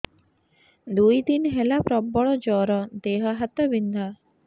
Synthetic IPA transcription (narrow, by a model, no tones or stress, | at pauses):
d̪ujd̪inɦelapɾɔbːɔɭɔd͡ʒɔːɾɔd̪eːɦəɦat̪əbind̪ʱa